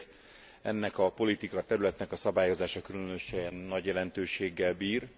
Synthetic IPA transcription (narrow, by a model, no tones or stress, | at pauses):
ɛ̰nːɛkɒpo̞lit̪ikɒt̪ɛɾylɛt̪nɛkɒsɒbaːjo̞zaːʃɒkylønø̞ʃɛnːɒɟjɛlɛnt̪øːʃeːɡːɛlbiːr